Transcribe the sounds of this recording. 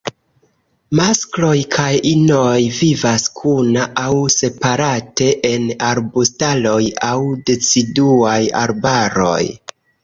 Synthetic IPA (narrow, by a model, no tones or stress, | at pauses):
masklo̞jkʰajino̞jvivaskʰunaʔawse̞paɾate̞ʔenaɾbustalo̞jawdet͡siduaja̰ɾbaɾo̞̰j